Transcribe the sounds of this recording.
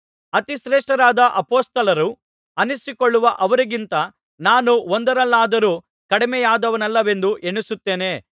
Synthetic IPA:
ɐt̪iʃɾeːʂʈɐɾaːd̪ɐʔɐpoːst̪ɐlɐɾu | ɐnisikoɭːuʋɐʔɐʋɐɾiɡint̪ɐ | naːnuond̪ɐɾɐlːaːd̪ɐɾuː | kɐɽimɛjaːd̪ɐʋɐnɐlːɐʋe̞nd̪uʔeɳusut̪ːeːne̞ː

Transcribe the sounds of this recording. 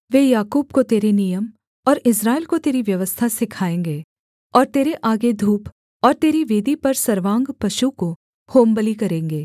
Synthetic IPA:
ʋeːjaːkuːbkot̪eːɾenijəm | ɔːɾɪsɾaːelkot̪eːɾiʋjɐʋəst̪ʰasɪkʰaːẽːŋɡeː | ɔːɾt̪eːɾeʔaːɡed̪ʱuːp | ɔːɾt̪eːɾiʋeːd̪ʱipɐɾsɐɾʋãːŋɡpɐʃuko | hoːmbəlikɐɾẽːŋɡeː

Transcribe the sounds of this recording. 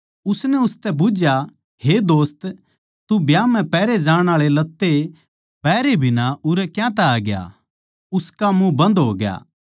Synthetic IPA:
ʊsnɛʊst̪ɛbʊd͡ʒja | hed̪oːst̪ | t̪ubjaːm̤ɛ̃pɛːɾed͡ʒãːɽɽ̃aːɭelɐt̪ːe | pɛːɾebʱɪnaʊɾɛkjãt̪̬ɛaːɡja̰ | ʊskamũbɐ̃nd̪ɦoːɡja̰ː

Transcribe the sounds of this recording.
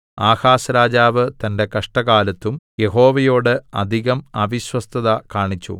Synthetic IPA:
aːhaːsɐɾaːd͡ʑaːʋɨt̪ɐnde̞kɐʂʈɐɣaːlɐt̪ːumje̞ɦo̞ːʋɐjo̞ːɽɨɐd̪ʱiɣɐmɐːʋiɕwɐst̪ʰɐðɐkaːɳit͡ɕːṵ

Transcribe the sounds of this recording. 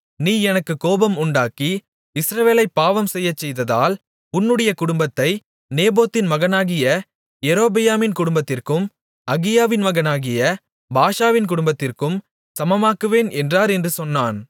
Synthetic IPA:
niːɛnɐkːɯkoːbɐmʊɳɖaːki | ɪsɾɐʋeːlɐɪpːaːʋɐmsɛjːɐt͡ʃːɛjðɐða̰ːl | ʊnːɯɽɐjɐkʊɽʊmbɐt̪ːɐɪ | neːboːt̪ːɪnmɐɣɐnaːɣɪjɐ | ɛɾoːbɪjaːmɪnkʊɽʊmbɐt̪ːɪrkɯm | ɐɣɪjaːʋɪnmɐɣɐnaːɣɪjɐ | baːʂaːʋɪnkʊɽʊmbɐt̪ːɪrkɯm | sɐmɐmaːkɯʋeːnɛndraːɾɛndrɯsɔnːaːn

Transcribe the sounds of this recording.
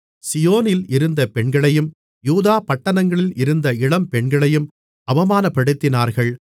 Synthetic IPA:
sɪjoːnɪlɪɾɯnd̪ɐpɛɳɡɐɭɐjɯm | juːðaːpɐʈːɐnɐŋɡɐɭɪlɪɾɯnd̪ɐɪɽɐmpɛɳɡɐɭɐjɯm | ɐʋɐmaːnɐpːɐɽɯt̪ːɪnaːɾɣɐɭ

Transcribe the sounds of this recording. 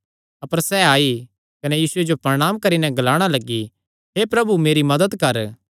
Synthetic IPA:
ɐpəɾsɛaːi | kɐnɛjiːsʊed͡ʒopɐɾɽ̃aːmkɐɾinɛ̃ɡɐlaːɽ̃alɐɡːi | ɦepɾɐbumeːɾimɐd̪əd̪kɐɾ

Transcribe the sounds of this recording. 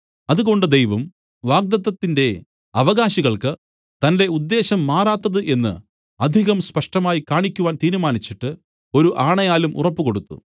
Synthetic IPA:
ɐðuɣo̞ɳɖɨd̪ejʋɐm | ʋaːɡ̚d̪ɐt̪ːɐt̪ːinde̞ | ɐʋɐɣaːɕiɣɐɭkɨ | t̪ɐnde̞ud̪ːe̞ːɕɐmːaːraːt̪ːɐðɨʔe̞nːɨ̰ | ɐd̪ʱiɣɐmspɐʂʈɐmaːjikaːɳikʲːuʋaːnt̪iːɾumaːnit͡ɕːiʈːɨ | o̞ɾuʔaːɳɐjaːlumʔṵrɐpːuko̞ɽut̪ːṵ

